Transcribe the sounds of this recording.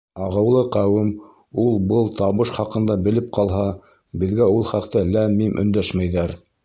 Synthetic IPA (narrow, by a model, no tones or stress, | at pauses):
ɑʁɤ̆wlˠɤqæwɘm | ulˠbɤlˠt̪ɑβɤʃχɑqɤ̆nd̪ɑbɘ̆lɘp̚qʰɑlˠɦɑ | bɘ̆ðɡæulˠχɑqt̪ɤlæmimʔɵ̰̆nd̪æʃmæjðæɾ